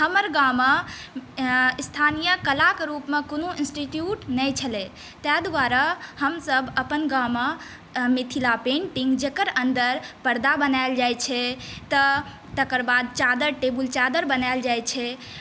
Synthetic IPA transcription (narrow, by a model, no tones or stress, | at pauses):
həməɾɡama | st̪ʰanijəkəlakɾupmekonoinsʈiʈjuʈnəjt͡ʃʰəle | t̪ɛd̪ʋaɾahəmsəbəpənɡama | mit̪ʰilapẽɳʈiŋɡd͡ʒekəɾənd̪əɾpəɾd̪abənajld͡ʒajt͡ʃʰɛt̪ə | t̪əkəɾbad̪̚t͡ʃad̪əɾʈebult͡ʃad̪əɾbənaeld͡ʒajt͡ʃʰɛ